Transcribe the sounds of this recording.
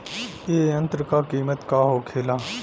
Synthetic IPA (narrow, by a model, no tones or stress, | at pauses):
eːə̃nt̪ɾəkakiːmət̪kaːɦoːkʰeːlaː